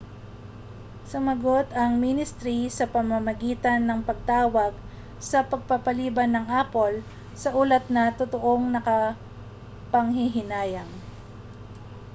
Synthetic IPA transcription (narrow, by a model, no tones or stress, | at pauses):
sʊmɐɡot̪ɐŋminɪst̪ɾisɐpɐmɐmɐɡiːt̪ɐnːɐŋpɐɡ̚t̪aːwɐɡ̚ | sɐpɐɡ̚papɐliːbɐnːɐŋʔaːpo̞l | sɐʔuːlɐt̪̚nɐt̪ot̪oʔoŋnɐkɐ | pɐŋhɪɦɪnaːjɐŋ